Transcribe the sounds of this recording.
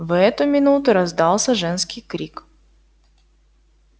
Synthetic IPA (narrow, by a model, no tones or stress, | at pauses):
vɛt̪ʊmʲɪnut̪ʊɾɐzd̪ɑlˠsʲəʐɛnskʲɪjkɾʲik